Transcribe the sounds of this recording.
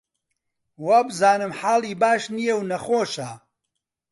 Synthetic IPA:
waːbɨzaːnɨmħaːlˠiːbaːʃnijewnɐxoːʃa

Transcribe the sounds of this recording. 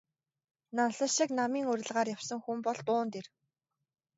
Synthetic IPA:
nanɮə̆ʃiknamiːŋɵɾʲɘ̆ɮʁaːrjawsə̆ŋxumpɔɮt̪ʊːnt̪er

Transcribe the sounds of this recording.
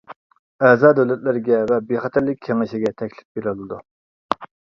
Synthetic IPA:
ɛzɑːd̪ɛwlɛt̪lɪɾɡʲɛvɛbeχɑt̪ʰæɾlːɪk̚ʲʰːɛmɪʃɪɡʲɛt̪ʰɛkʲlɪ̥fbeɾɪlˠɨd̪u

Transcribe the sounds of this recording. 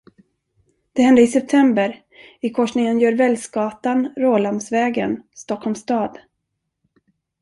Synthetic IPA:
d̪̥ɛhɛnd̪əɪsɛp̚t̪ʰɛmbəɾ | ɪkʰɔʂnɪŋənjœːɾvɛlsɡɑːt̪anɾoːlamsvɛːɡə̰nst̪ɔkʰhɔlmst̪ɑːd̪

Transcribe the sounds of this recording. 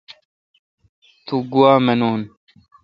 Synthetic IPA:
t̪ʰuɡuwaːmɐnoːn

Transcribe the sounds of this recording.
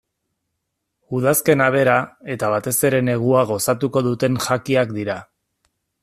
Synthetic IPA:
uð̞aske̞naβ̞e̞ɾae̞t̪aβ̞at̪e̞se̞ɾe̞ne̞ɣ̞uaɣ̞o̞sat̪uko̞ðut̪e̞ŋʝakiakd̪iɾa

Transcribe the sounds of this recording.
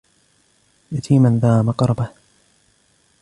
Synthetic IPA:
jat̪ʰiːmanðaːmɑqɾˤɑbah

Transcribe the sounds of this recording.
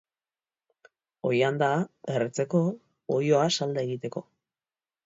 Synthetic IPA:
o̞̰jand̪aeret͡se̞ko̞ː | jo̞asald̪aeɣit̪e̞ko̞

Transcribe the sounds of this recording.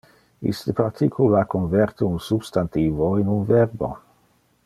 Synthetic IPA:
ḭst̪əpart̪ʰikʰulakʰonvɛrt̪əunsubst̪ant̪iːvoinunvɛrbo̰

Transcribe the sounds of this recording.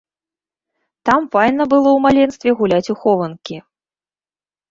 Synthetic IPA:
t̪amfajnɐbɨlˠɔwmalʲɛnst̪vʲɛɣulʲat͡sʲuxɔvɐnkʲi

